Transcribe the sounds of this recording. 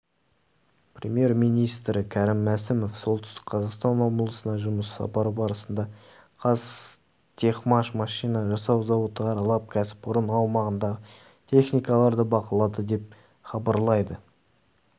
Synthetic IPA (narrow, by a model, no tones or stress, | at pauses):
prʲemʲje̞ɾmijnijst̪ɾɪkʲʰæɾɪmːæsɪmo̞fso̞lˠt̪ʏ̥st̪ɪ̥kqʰɑzɑqst̪ɑnmɑməlˠəsənɑʒʊməsːɑ̰pɑɾəbɑɾəsənd̪ɑ | qʰɑz | t̪ʲʰe̞χmɑʃmɑʃijnɑʒɑsɑwzɑwot̪ʁɑɾɑlˠɑp̚kʲʰæsɪ̥p̚ʊɾənɑwmɑʁənd̪ɑʁə | t̪ʲʰe̞χnijkɑlˠɑɾd̪əbɑqəlˠɑd̪əd̪e̞p̚ | χɑbɑɾlˠɑjd̪ə